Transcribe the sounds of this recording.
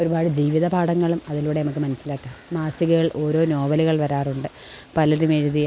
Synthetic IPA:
o̞ɾubaːɽɨd͡ʑiːʋiðɐpaːɽɐŋːɐɭumɐðiluːɽenɐmukːɨmɐnɐsːilaːkːaːmmaːsiɣɐɣɐɭʔo̞ːɾo̞ːno̞ːbɐluɣɐɭʋɐɾaːruɳɖɨ | pɐlɐɾumeɻuðij

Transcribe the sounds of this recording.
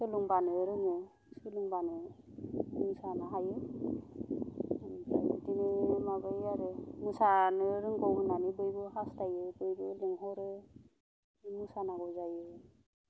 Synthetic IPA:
sɯluŋbanɯɾɯŋɯ | sɯluŋbanɯ | musanaɦajɯ | dadinɯmaɡɯjaɾɯmusanɯɾɯŋɡɔwɯnanɯbɯjbɯhastajɯbɯjbɯleŋɦɔɾe | musanaɡɔzajɯ

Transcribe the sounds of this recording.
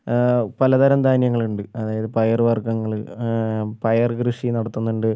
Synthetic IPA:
pɐlɐd̪ɐɾɐmd̪ʱaːnjɐŋːɐɭuɳɖɨɐðaːjɐðɨpɐjɐrʋɐrɡɐŋːɐɭɨ | pɐjɐrɡɾɨʂinɐɽɐt̪ːunːuɳɖɨ

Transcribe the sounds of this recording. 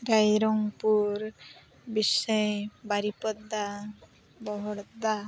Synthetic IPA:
ɾajɾɔŋpuɾ | bisɔjbaɾipɔd̪a | bɔɦɔɽd̪a

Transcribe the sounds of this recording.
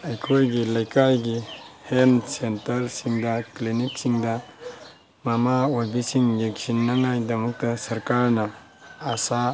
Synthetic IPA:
ɐjkʰojɡilɐjkajɡihensentɐɾsiŋdɐkliniksiŋdɐ | mamawabisiŋjeksinːaŋajdɐmuk̚tɐsɐɾkaɾnɐː | sa

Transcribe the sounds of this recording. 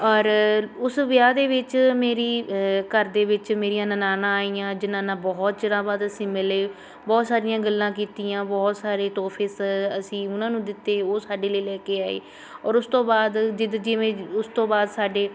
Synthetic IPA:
ɔːɾʊsʋjaːd̪eːʋɪt͡ʃmeːɾiːkəɾd̪eːʋɪt͡ʃmeːɾijãːnənaːnãːaːiːjãːd͡ʒɪnãːnãːbɔːt̪̚t͡ʃəɽãːbaːd̪əsĩːmɪleː | bɔːt̪saːɾɪjãːɡəlːãːk̬iːt̪iːjãːbɔːt̪saːɾeːt̪oːpʰɪːsəsĩːʊnãːnũːd̪ɪt̪ːeːoːsaːɖeːleːlɛːkeːaːḛː | ɔːɾʊst̪õːbaːd̪d͡ʒɪd̪d͡ʒɪʋẽːʊst̪õːbaːd̪saːɖeː

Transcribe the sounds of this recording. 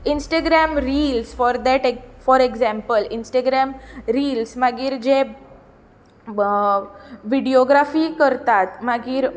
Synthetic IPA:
insʈaɡɾɛmɾilsfɔɾd̪ɛʈefɔɾeɡzɛ̃mpəlinsʈaɡɾɛmɾiːlsmaɡiːɾd͡ʑe | ʋiɖioɡɾafiːkəɾt̪at̪maɡiːɾ

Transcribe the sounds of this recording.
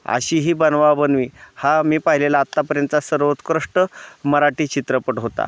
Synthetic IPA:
ə̰ɕiːɦiːbənʋabənʋiːhamiːpaɦilelaːt̪ːapəɾjənt̪t͡sasəɾʋət̪kɾəʂʈəməɾaʈiːt͡ɕit̪ɾəpəʈɦot̪a̰

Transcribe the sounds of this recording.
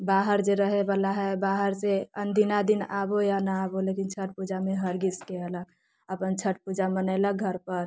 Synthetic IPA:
baɦəɾd͡ʒeɾəɦebalaɦɛbaɦəɾseənd̪ʱinad̪inabojanaːbolekint͡ʃʰəʈ̚pud͡ʒameɦəɾɡiskeɛlək | əpənt͡ʃʰəʈ̚pud͡ʒamənəɪlək̚ɡʱəɾpəɾ

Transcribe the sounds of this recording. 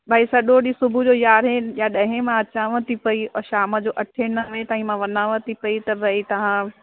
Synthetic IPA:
bʱaːisɐɗoɗisʊbʱud͡ʑoːjaːɾɦejaɗɐ̃ɦẽmãɐt͡ɕãːʋə̃t̪ipɐiʃaːməd͡ʑoːʔɐʈʰenɐʋẽt̪aːɦĩmãʋɐnãːʋə̃t̪ʰipɐit̪ɐbʱɐit̪ɐʋ̤ã

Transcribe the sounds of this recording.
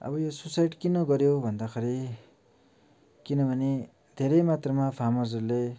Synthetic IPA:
ʌ̰bʌjosusajɖkinʌɡʌɾjobʱʌnd̪akʰeɾi | kinʌbʱʌne | d̪ʱeɾʌjmat̪rʌmapʰamʌd͡zʌrle

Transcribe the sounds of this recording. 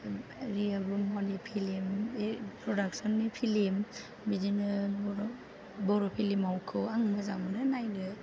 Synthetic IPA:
ɾialbumɔnipʰilimpʰɾɔdak̚sɔnːipʰilim | bizinɯɔɾ | bɔɾɔpʰilimawkʰɯwaŋmaza̰ŋmɯnɯnajnɯ

